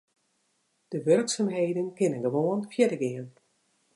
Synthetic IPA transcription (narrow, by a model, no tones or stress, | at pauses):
d̥əʋørksamɦeːdənkɪnənɡəʋoənfjɛdəɡɪən